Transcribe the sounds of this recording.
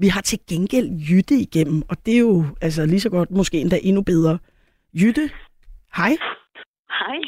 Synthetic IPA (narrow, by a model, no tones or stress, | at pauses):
ʋiɦɑ̈t͡sʰe̝ɡ̥enɡ̥el̰jyd̥əiɡ̥em̰m̩ɒ̽d̥e̝æjo̝æls̬əlisɒ̽ɡ̥ɒ̽d̥mo̽sɡ̥e̝̰ːnd̥æʔe̝nub̥eð̞ˠʁɐ | jyd̥ə | hɑ̈ɪ | hɑɪ